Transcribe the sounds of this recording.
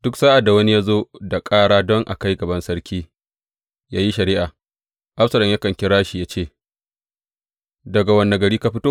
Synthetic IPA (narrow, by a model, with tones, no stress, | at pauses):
d̥ʊ˦ksaː˦ʔa˨dːa˨wɐ˦ni˦ja˦zoː˦da˨kʼaː˦ɽaː˦dɔ˦ŋʔa̰˨ka˦jɡɐ˨bɐ˦nsɐ˦ɾkʲʰiː˦ | jaː˦ji˦ʃɐ˨ɾɪː˦ʔa˨ | ʔa˦ɸsɐ˨lɐ˨mjaː˦kɐ˨ŋkʲɪ˦ɾaː˦ʃi˨jaː˦t͡ʃeː˦˨ | dɐ˨ɡa˨wɐ˨nːa˨ɡɐ˨ɽiː˦ka˦ɸɪ˦toː˦